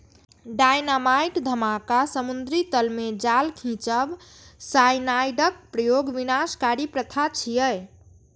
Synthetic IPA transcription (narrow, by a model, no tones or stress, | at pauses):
ɖajnamajʈd̪ʱəmakasəmund̪ɾit̪əlmed͡ʒalkʰĩt͡ʃəb | sajnajɖək̚pɾəjoɡʋinaskaɾipɾət̪ʰat͡ʃʰijəj